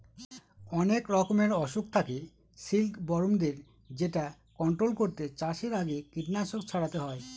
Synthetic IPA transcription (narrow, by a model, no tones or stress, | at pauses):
ɔnekɾɔkomeɾɔʃuk̚t̪ʰake | silkbɔɾomd̪eɾ | d͡ʑeʈa | kɔɳʈɾolkoɾt̪et͡ɕaʃeɾaɡekiʈnaʃokt͡ɕʰaɽat̪eɦɔe